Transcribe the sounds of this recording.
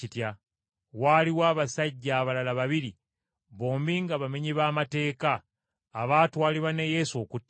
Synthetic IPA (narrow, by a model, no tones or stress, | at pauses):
itja | waːliwaːβasaɟːaːβalalaβaβiɾi | βo̞ːmbiŋɡaβameɲiβaːmate̞ːkaː | βaːtuwaːliβanejeso̞kutː